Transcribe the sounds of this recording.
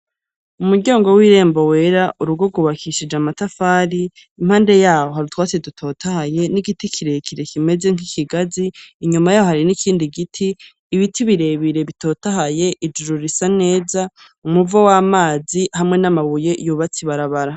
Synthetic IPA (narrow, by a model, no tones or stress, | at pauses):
umuɟaːŋɡo̞wiːɾe̞ːmbowe̞ɾaʔuɾuɡo̞ɡuβakʰiʃid͡ʒamatafaːɾiː | m̥haːnde̞jaːwo̞ɦaɾutwaːt͡sedutʰo̞ːtahaje̞niɡitikʰiɾekʰiɾe̞kime̞ze̞ŋ̥ikʰiɡaziːɲumajajohaɾinikʰiːndiɡitʰiː | βitʰiβiɾe̞βiɾe̞βito̞ːtaɦaje̞ʔid͡ʒuɾuɾisane̞ːza | umuvowaːmaːzihamŋe̞namaβuje̞juβat͡siβaɾaβaɾa